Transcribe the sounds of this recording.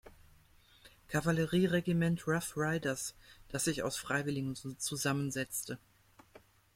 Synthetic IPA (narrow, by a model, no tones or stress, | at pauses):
kʰavaləʁiːʁeɡimɛntʁafʁaɪdɐsd̥asz̥ɪça̰ʊsfʁ̥aɪvɪlɪɡŋ̩t͡suzamənzɛt͡stə